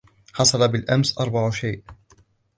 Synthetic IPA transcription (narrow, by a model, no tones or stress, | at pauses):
ħɑsˤɑlɑbɪlʔamsʔɑɾˤbɑʕʃajʔ